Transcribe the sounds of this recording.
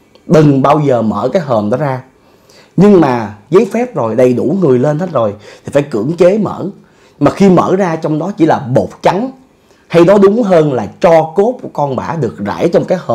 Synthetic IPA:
ɗɨ˨˩ŋɓaː˧wzəː˨˩məː˧˩kaː˨˦jɦəː˨˩mɗɔ˨˦zaː˧ | ɲɨ˧ŋmaː˨˩zəː˨˦jfɛ˦˥p̚zo˨˩jɗə˨˩jɗu˧˩ŋɨ˨˩əjle˧nt̪ʰa˦˥t̚zo˨˩jt̪ʰi˨˩faː˧˩˦jkɨ̰˧˩˥əŋt͡ɕe˨˦mə̰ː˧˥ | maː˨˩xi˧mə̰ː˧˩zaː˧t͡ɕɔ˧wŋ͡mɗɔ˨˦t͡ɕḭ˧˩laː˨˩ɓo˨˩t̚t͡ɕa˨˦ŋ | ha˧jɗɔ˨˦ɗʊ˨˦ŋ͡mɦəː˧nlaː˨˩t͡ɕɔ˧ko˦˥p̚ku˧˩əkɔ˧nɓa̰ː˧˩ɗɨ˨˩ək̚za̰ː˧˥˦jt͡ɕɔ˧wŋ͡mkaː˨˦jhəː˨˩

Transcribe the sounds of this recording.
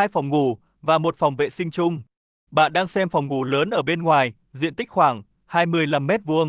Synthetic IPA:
a˧jfɔ˨˩wŋ͡mŋu˧˩ | vaː˨˩mo˨˩t̚fɔ˨˩wŋ͡mvḛ˧˨sï˧ŋ̟t͡ɕʊ˧ŋ͡m | ɓa̰ː˧˨nɗaː˧ŋsɛ˧mfɔ˨˩wŋ͡mŋu˧˩ləː˨˦nʔəː˧˩ɓe˧nŋwaː˨˩j | zḭ˧ənt̪ï˦˥k̟̚xwaː˧˩ŋ | haː˧jmɨ˧əjla˦˧mːɛ˦˥t̚vu˧əŋ

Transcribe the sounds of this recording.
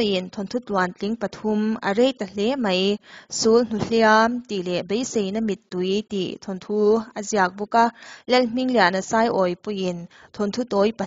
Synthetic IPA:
ji˨nt̪ʰɔ˨ntʰu˦twa˨nt͡ɬi˦ŋpɐ˨t̪ʰu˦mɐ̰˨ɾe˥˨jt̪ɐ˨lɛ˦mɐ˨jsu˦ln̥u˨ɬia˦mt̪i˨lɛ˨be˦jse˨jnɐ˦mi˨t̪̚ːu˨jtḭ˨t̪ʰɔ˨ntʰu˦ɐ˨zia˨˩k̚bu˧ka˦lɛ˦lm̥i˦ŋli˨a˨ʔnɐ˨sa˧jʔɔ˨jpu˧ji˨n | t̪ʰɔ˨nt̪ʰu˦t̪ɔ˨˦jpɐ˨

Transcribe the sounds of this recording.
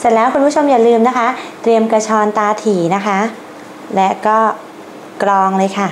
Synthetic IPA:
se˨˩lɛː˦˥wkʰu˧npʰu˥˩t͡ɕʰo˧mjaː˨˩lɯː˧mna˦˥kʰa˦˥t̪ɾi˧əmka˧t͡ɕʰɔː˧nt̪aː˧t̪ʰiː˨˩˦na˦˥kʰa˦˥ | lɛ˦˥kɔː˥˩ | kɾɔː˧ŋlɤː˧jkʰa˥˩

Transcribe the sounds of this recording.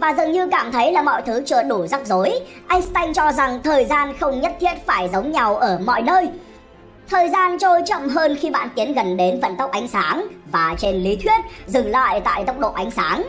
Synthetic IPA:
vaː˨˩zɨ˨˩ŋɲɨ˧kaː˧˩mt̪ʰə˨˦jlaː˨˩mɔ̰˧˨jt̪ʰɨ˨˦t͡ɕə̰ː˧˨ɗu˧˩za˦˥k̚zo˨˦j | ʔa˧jŋ̟st̪a˧jŋ̟t͡ɕɔ˧za˨˩ŋt̪ʰəː˨˩jzaː˧nxə˧wŋ͡mɲə˦˥t̚t̪ʰi˦˥ət̚faː˧˩jzə˨˦wŋ͡mɲa˨˩wʔəː˧˩mɔ̰˧˨jnəː˧j | t̪ʰəː˨˩jzaː˧nt͡ɕo˧jt͡ɕə̰˧˨mɦəː˧nxi˧ɓa̰ː˧˨nt̪i˨˦ənɣə˨˩nɗe˨˦nvə̰˧˨nt̪ə˦˥k͡p̚ʔa˨˦jŋ̟saː˨˦nvaː˨˩t͡ɕe˧nli˨˦t̪ʰwi˦˥ət̚zɨ˧˩ŋla̰ː˧˨jt̪a̰ː˧˨jt̪ə˦˥wk͡p̚ɗo̰˧˨ʔa˨˦jŋ̟saː˨˦n

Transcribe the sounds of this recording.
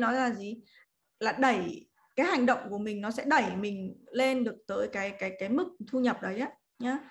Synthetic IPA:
nɔ˨˦jzaː˨˩zi˨˩ | laː˨˩ɗə˧˩j | kaː˨˦jha˨˩jŋ̟ɗə̰˧˨wŋ͡mku˧˩əmï˨˩ŋ̟nɔ˨˦sɛ̰˧˥ɗə˧˩jmï˨˩ŋ̟le˧nɗɨ˨˩ək̚t̪əː˨˦jkaː˨˦jkaː˨˦jkaː˨˦jmɨ˨˩k̚t̪ʰu˧ɲə˨˩p̚ɗə˨˦jʔaː˨˦ | ɲaː˨˦

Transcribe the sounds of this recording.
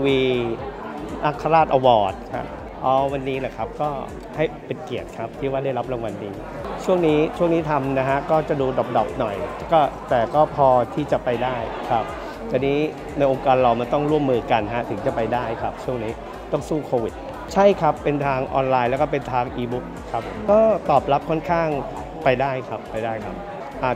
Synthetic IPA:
wiː˧ | ʔa˦˧˩kʰːa˧ɾaː˥˩t̪̚ʔa˧wɔː˨˩t̪̚kʰa̰˦˥p̚ | ʔɔː˨˦wa˧nːiː˦˥la˨˩kʰa˦˥p̚kɔː˥˩ | ha˥˩jpi˨˩t̪̚ki˨˩ət̪̚kʰa˦˥p̚t̪ʰiː˥˩waː˥˩da˥˩jɾa˦˥p̚ɾa˧ŋwa˧nːiː˧˩ | t͡ɕʰu˥˩əŋniː˦˥t͡ɕʰu˥˩əŋniː˦˥t̪ʰa˧mna˦˥ɦʰa˦˥ʔkɔː˥˩t͡ɕa˨˩duː˧dɔ˨˩p̚dɔː˨˩p̚nɔ˨˩j | kɔː˥˩t̪ɛː˨˩kɔː˥˩pʰɔː˧t̪ʰiː˥˩t͡ɕa˨˩pa˧jdaː˥˩jkʰɾa˦˥p̚ | t̪ʰɛː˧˩niː˦˥ | na˧jʔo˧ŋkaː˧nɾa˧wma˧nt̪ɔ˥˩ŋɾu˥˩mːɯː˧ka˧nɦa˦˥t̪ʰɯ˩˦ŋt͡ɕa˨˩pa˧jdaː˥˩jkʰa˦˥p̚t͡ɕʰu˥˩əŋniː˦˥ | t̪ɔ˥˩ŋsuː˥˩kʰoː˧wi˨˩t̪̚ | t͡ɕʰa˥˩jkʰa˦˥pːe˧nt̪ʰaː˧ŋʔɔː˧nlaː˧jlɛː˦˥wkɔː˥˩pe˧nt̪ʰaː˧ŋʔiː˧bu˦˥k̚kʰːa˦˥pʰo˨˦mkɔː˥˩t̪ɔː˨˩p̚la˦˥p̚kʰɔ˥˩nkʰaː˥˩ŋ | pa˧jdaː˥˩jkʰa˦˥pːa˧jdaː˥˩jkʰa˦˥p̚ | ʔaː˨˩

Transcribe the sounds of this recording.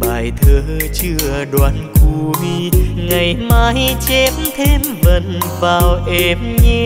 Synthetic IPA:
ɓaː˨˩jt̪ʰəː˨˧˦t͡ɕɨ˧əɗwaː˨˧˩nku˧˩vi˧ŋa˨˩jmaː˧˥jt͡ɕɛ˧˥p̚mt̪ʰe˧mvə̰˧˨nvaː˨˩wʔɛ˧˩mɲɛ˧

